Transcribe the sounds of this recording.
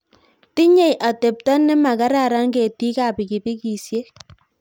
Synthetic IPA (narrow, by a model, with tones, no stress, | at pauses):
ti˦ɲe˦˨jʔa˨te˨p̚tɔ˦nːɛ˦ma˨ka˦ɾa˦˨ɾa˦ŋɡe˨ti˦ka˨pi˨ki˨bi˦ki˨sje˦